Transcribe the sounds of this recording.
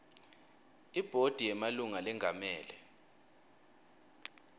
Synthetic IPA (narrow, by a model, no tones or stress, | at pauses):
ib̥ʱod̥ʱijɛmaluŋalɛŋʱamɛːlɛ